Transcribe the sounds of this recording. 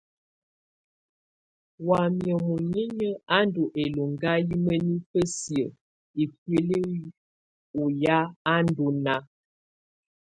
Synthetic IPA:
wa˨mjə˨mu˨ɲe˦ɲə˦a˦n˦do˨ʔe˨lo˨ŋɡa˦ji˦mə˦ni˦pə˦sjə˨ | e˨k̚we˨le˦ | u˨ja˦a˦n˦do˨na˦

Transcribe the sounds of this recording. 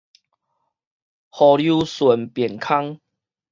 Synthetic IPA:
hɔ˨lju˧˦swə˨˩˦npjɛ˨˩nkʰa˦ŋ

